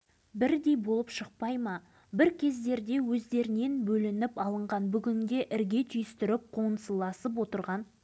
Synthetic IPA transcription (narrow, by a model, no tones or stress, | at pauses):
bɪɾd̪e̞jbo̞lˠəpʃəq̚pɑjmɑ | bɪɾkʲʰe̞zd̪e̞ɾd̪e̞wɵzd̪e̞ɾɪne̞nbɵlɪnɪpɑlˠəɴʁɑnbʏɡʲɪnd̪ʲe̞ʔɪɾɡʲe̞t̪ʰʏjʏst̪ɪɾɪp̚qʰonəsəlˠɑsəp̬wo̞t̪əɾʁɑn